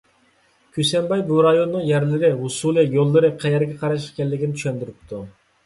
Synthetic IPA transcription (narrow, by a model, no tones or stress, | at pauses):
kʲʰysɛmbɑjbuɾɑjonnɨŋjɛɾlɪɾɪɦusulˠɨjolˠːɨɾɨqʰɛjɛɾɡʲɛqʰɑɾɑʃ̬kʲʰɛlːɪkʲinɪt̪ʰy̥ʃɛnd̪yɾyp̚t̪ʰu